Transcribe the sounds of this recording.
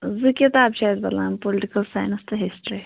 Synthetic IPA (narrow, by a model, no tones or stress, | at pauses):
zɨkɐt̪aːbt͡ʃazbɐt̪laːmpolɪʈikɐlsaːjnst̪ɨɦisʈɾi